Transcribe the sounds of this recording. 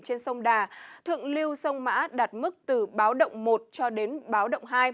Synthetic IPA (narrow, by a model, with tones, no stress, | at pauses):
t͡ɕe˧nsə˧wŋ͡mɗaː˨˩t̪ʰɨ̰˧˨əŋli˧əwsə˧wŋ͡mma̰ː˧˥ɗaː˨˩t̚mɨ˦˥k̚t̪ɨ˨˩ɓaː˨˦wɗə̰˧˨wŋ͡mmo˨˩t̚t͡ɕɔ˧ɗe˨˦nɓaː˨˦wɗə̰˧˨wŋ͡mɦaː˧j